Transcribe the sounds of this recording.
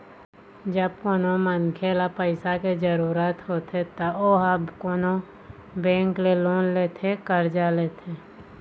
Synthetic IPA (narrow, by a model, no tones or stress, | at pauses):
d͡ʒəb̚koːnomənkʰeːlapəɪsaked͡ʒəɾuːɾət̪ɦoːt̪ʰet̪ooːɦabkoːno | bɛ̃ːŋkleloːnleːt̪ʰekəɾd͡ʒaːleːt̪ʰeː